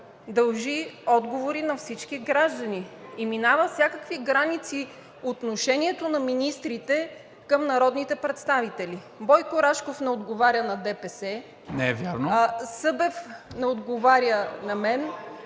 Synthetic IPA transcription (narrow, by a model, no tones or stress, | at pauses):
d̪ɐlˠʒiɔd̪ɡovoɾinɐfsit͡ʃkiɡɾaʒd̪ɐniːminavəfsʲjakəkviɡɾanit̪si | ot̪noʃɛnʲiɛt̪onɐminist̪ɾit̪ɛ | kɤmnɐɾɔd̪nit̪ɛpɾɛt̪st̪avit̪ɛli | bɔjkoɾaʃkofnɛod̪ɡovaɾjənɐd̪ɛpɛsɛ | nɛɛvʲjaɾnosɤbɛfnɛod̪ɡovaɾʲjənɐmɛn